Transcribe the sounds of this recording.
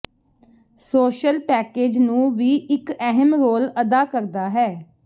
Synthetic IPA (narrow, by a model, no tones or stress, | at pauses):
soːʃəlpɛːkeːd͡ʒnũːʋiːɪkɛɦəmɾoːləd̪aːkəɾd̪aːɦɛː